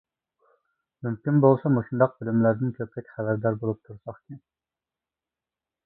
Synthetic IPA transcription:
mymkʲinbolˠsɑmoʃund̪ɑq̚bɪlymlæɾd̪ɪnkʲʰøpɾɛkʲχæbæɾd̪ɑɾbolˠup̚t̪ʰuɾsɑχkʲʰin

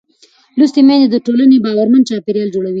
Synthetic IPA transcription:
lust̪emend̪əʈolanebɑwaɾmant͡ʃɑpeɾjɑld͡ʒoɽawi

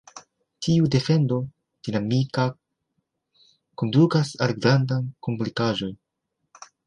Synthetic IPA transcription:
tʰiude̞fe̞ndo̞ | d̥inamika | ko̞ndukasalɡɾandankomplikaʒo̞n

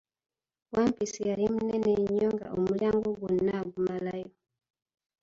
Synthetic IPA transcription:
wampisijalim̩nɛnɛɲɔŋɡa̰ʔumuljaŋɡuɡunnaɡumalajɔ

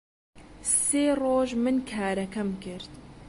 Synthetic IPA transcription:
seːroːʒmɨnkʰaːɾɐkɐmkɨɾt̪

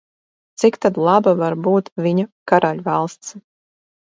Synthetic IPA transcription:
t̪sikt̪ad̪lˠɑbavaɾbuːt̪vʲiɲakaɾaʎʲvɑlˠst̪s

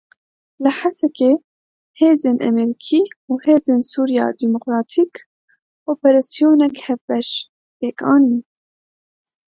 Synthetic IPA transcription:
lɨħasɛke | heːzeːnʔɛ̰mɛɾikʰiːuːheːzeːnsuːɾijɑ̰ːd̪imokɾɑːt̪ʰiːk | oːpɛɾɑsijoːnɛkhɛvbɛʃ | peːkɑːniː

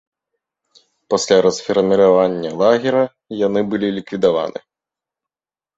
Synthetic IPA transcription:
pasʲlʲaɾɐsfʲɐɾrmʲiɾavanʲːɐlˠaɣʲɛɾɐ | janɨbɨlʲilʲikvʲid̪ava̰nɨ̰

